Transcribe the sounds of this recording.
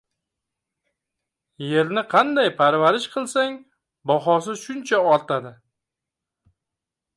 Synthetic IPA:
je̞ɾnɪqʰɑnd̪ajpʰaɾvaɾɪʃqʰɨlˠsaŋ | bɒɦɒsɪʃʊnt͡ʃʰaɒɾt̪ʰad̪ɪ

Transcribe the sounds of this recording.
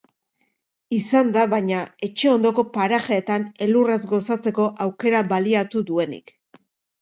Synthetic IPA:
isand̪aβajɲae̞t͡ʃe̞o̞nd̪o̞ko̞paɾaxeːt̪ane̞lurazɡo̞sat͡se̞ko̞ʔawke̞ɾaβaliat̪uðue̞nḭk

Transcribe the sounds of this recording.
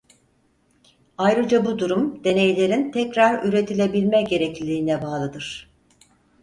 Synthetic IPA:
ajɾɯd͡ʒabud̪uɾumd̪̥e̞ne̞jlʲe̞ɾint̪ʰɛcɾaɾyɾe̞t̪ʰilʲe̞bilʲmɛɟe̞ɾɛclʲiiːnɛbaːlˠɯd̪ɯɾ̥

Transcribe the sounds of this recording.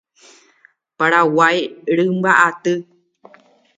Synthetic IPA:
paɾawajɾɨmbaʔat̪ɨ

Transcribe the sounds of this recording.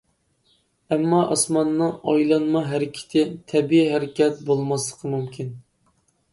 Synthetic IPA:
ɛmːɑʔɑ̰smɑnːɨɑjlˠɑnmɑɦæɾɪkʲʰɪ̥t̪ʰɪt̪ʰɛbiiɦæɾɪkʲɛt̪bolˠmɑslˠəqʰəmumkʲʰin

